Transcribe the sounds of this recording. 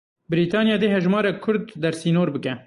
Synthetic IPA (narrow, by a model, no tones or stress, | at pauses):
bɪɾiːt̪ʰɑːnijɑːd̪eːɦɛʒmɑːɾɛkʰʊɾd̪ːɛɾsiːnoːɾbɨkɛ